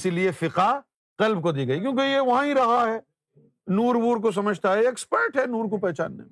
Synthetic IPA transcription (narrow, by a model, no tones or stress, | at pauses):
siliefɪqa | qɐlb̚kod̪iːɡɐik̬jõːkejeʋɐɦãɦiɾɐɦaɦɛː | nuːɾbuːɾk̬os̬ɐməd͡ʒʱt̪aɦɛekspɛɾʈɦɛnuːɾkopɛɦt͡ʃa̰ːnːḛmẽ